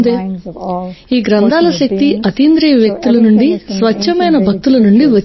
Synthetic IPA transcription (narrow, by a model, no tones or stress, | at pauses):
d̪eː | iːɡɾɐnd̪ʱaːlɐʃɐk̚t̪iɐt̪iːnd̪ɾijɐʋjɐk̚t̪ulɐnuɳɖisʋɐʃʰɐmɐjnɐbʱɐk̚t̪ulɐnuɳɖiʋɐ